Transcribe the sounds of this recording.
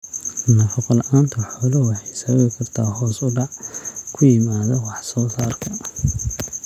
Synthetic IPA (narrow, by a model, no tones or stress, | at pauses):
nɐfɐqɔlʔaːnt̪ʰɐħɔːlɔwɑħɑjsɐβɐβɪkʰɐrt̪ʰaːɦɔːsʊɖɑʕkʰʊjɪmaːðɐwɑħsɔːsaːrkʰɐ